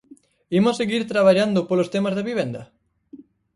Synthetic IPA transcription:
imosːeɣiɾt̪ɾaβaʎand̪ʊpolost̪emazðeβiβ̞end̪ɐ

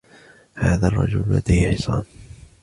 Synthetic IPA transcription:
haːðarˤːɑ̰d͡ʒʊlla̰d̪ajhħɪsˤɑ̰ːn

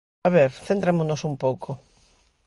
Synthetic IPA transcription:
aβeɾθent̪ɾemonosumpowkʰo

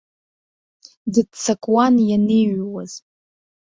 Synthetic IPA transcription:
dɨdt͡sʰakʼwanjaneɥwaz̥

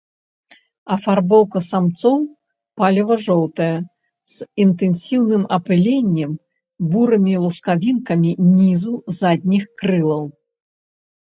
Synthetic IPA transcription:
ɐfarbɔwkɐsamt̪sɔw | palʲɐvɐʐɔwt̪ɐjɐ | z̥int̪ɛnsʲiwnɨmɐpɨlʲenʲːɛm | buɾɨmʲilˠuskavʲinkɐmʲinʲizuzad̪̚ʲnʲixkɾɨlˠɐw

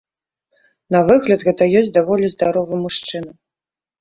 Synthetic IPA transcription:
nɐvɨɣlʲɐt̪ɣɛɐjɔsʲtʲd̪avɔlʲizd̪aɾɔvɨmuʂt͡ʂɨnɐ

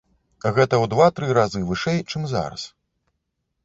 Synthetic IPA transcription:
ɣɛt̪ɐwd̪vat̪ɾɨɾazɨvɨʂɛjt͡ʂɨmza̰ɾɐ̰s

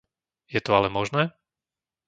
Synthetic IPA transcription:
jɛt̪ɔalɛmɔʒnɛː

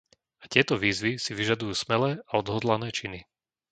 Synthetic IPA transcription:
ḁc̪ɪɛt̪ɔʋiːzʋisiʋiʒad̪ujuːsmɛlɛːʔaɔd̪ɦɔd̪lanɛːt͡ʃini

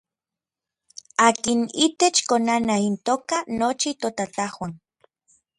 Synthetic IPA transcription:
aːkinit̪et͡ʃkonanaint̪oːkanot͡ʃit̪ot̪at̪ahwan

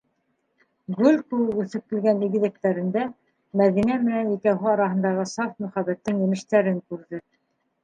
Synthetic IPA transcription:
ɡʉlkʉʉθɘ̆p̚t̪ɘ̆lɡæniɡɘ̆ðɘk̚t̪æɾɘ̆nd̪æ | mæðinæmɘ̆nænikæwɦɘɑɾɑɦɤ̆nd̪ɑʁɤsɑfmɵ̆χæβæt̪ːɘŋjɘ̆mɘ̆ʃt̪æɾɘŋkʉɾðɘ

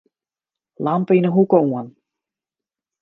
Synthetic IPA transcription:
lampəinəɦukoən

